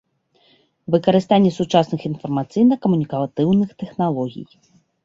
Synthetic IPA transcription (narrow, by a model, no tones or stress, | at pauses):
vɨkɐɾɨst̪anʲːɛsut͡ʂasnɨxinfɐrmat̪sɨjnɐkɐmunʲikɐt̪ɨwnɨxt̪ɛxnalˠɔɣʲḭj